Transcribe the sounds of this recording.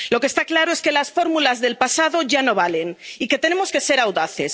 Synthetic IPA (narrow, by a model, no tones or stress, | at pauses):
lo̞kest̪aklaɾoe̞ske̞lasfo̞ɾmulazðe̞lpasaðo̞ʝano̞βale̞niket̪e̞ne̞mo̞ske̞se̞ɾawðaθe̞s